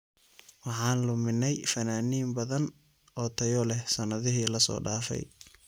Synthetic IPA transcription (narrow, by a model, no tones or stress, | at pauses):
wɑħɑːnlʊmɪnːɛjfɐnaːniːmbɐðɐn | ɔːt̪ʰɐjɔlɛhsɐnɐðɪɦiːlɐsɔ̰ːɖaːfɛ̰j